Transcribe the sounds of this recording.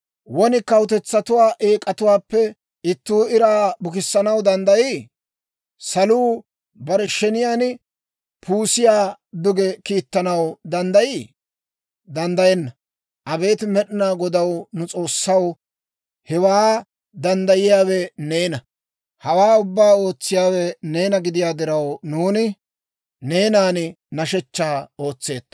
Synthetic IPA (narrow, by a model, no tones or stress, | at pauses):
wɔnɪkɐwt̪̬ɛt͡sːɐt̪ʊwaːʔeːkʼɐt̪ʊwaːpːɛ | ɪt̪ːuːɪɾaːbʊkɪsːɐnɐwd̪ɐnd̪ɐjiː | sɐluː | bɐɾɛʃɛnɪjaːn | pʰuːsɪjaːd̪ʊɡɛkiːt̪ːɐnɐwd̪ɐnd̪ɐjiː | d̪ɐnd̪ɐjɛnːɐ | ʔɐbe̞ːt̪mɛɗɪnaːɡɔd̪ɐwnʊt͡sʼo̞ːsːɐw | hɛwaː | d̪ɐnd̪ɐjɪjaːwɛneːnɐ | hɐwaːʊbːaːo̞ːt͡sːɪjaːwɛne̞ːnɐɡɪd̪ɪjaːd̪ɪɾɐwnuːnɪ | ne̞ːnaːn | nɐʃɛt͡ʃːaːo̞ːt͡sːe̞ːt̪ːɐ̥